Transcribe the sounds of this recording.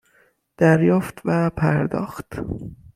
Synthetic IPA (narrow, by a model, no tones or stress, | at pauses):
d̪̥æɾjɒːft̪væpʰæɾd̪ɒ̰ːxt̪